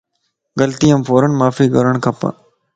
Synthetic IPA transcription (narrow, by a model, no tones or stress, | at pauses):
ɡɐlt̪iəmfoːɾəɳmaːfiɡəɾəɽ̃kʰɐpə̰